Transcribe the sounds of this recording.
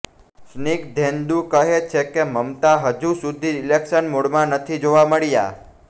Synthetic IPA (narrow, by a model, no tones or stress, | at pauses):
snikd̪ʱẽnd̪ukəɦet͡ʃʰekeməmt̪aɦəd͡ʒusud̪ʱiɾilekʃənmoɽmãnət̪ʰid͡ʒoʋaməɭija̰